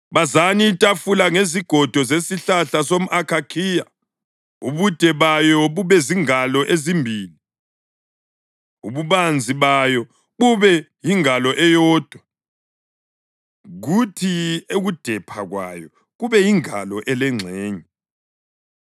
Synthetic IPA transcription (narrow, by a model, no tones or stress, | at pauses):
βazanitʼafulaŋeziɡ̥ʱɔd̥ʱɔzesiɬaɬasom̩akʰakʰiːja | uβud̥ʱɛβajɔβuβɛziŋalɔʔezimbʱiːli | uβuβand͡zʱiβajɔ | βuβɛjiŋalɔʔɛjɔːd̥ʱwa | ɣutʰieɣud̥ʱɛpʰaɣwa̰jɔ | ɣuβɛjiŋa̰lɔʔɛlɛŋ͡ǀʱɛːɲɛ